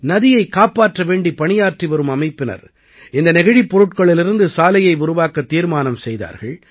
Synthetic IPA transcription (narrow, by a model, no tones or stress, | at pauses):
nɐðɪjɐɪkːaːpaːʈrɐʋeːɳɖipɐɳɪjaːʈriʋɐɾɯmɐmɐɪpːɪnɐ̰ɾ | ɪnd̪ɐnɛɣɐɻipːɔɾɯʈkɐɭɪlɪɾɯnd̪ɯsaːlɐjɐɪʊɾʊʋaːkɐt̪ːiːɾmaːnɐmsɛjða̰ːɾɣɐɭ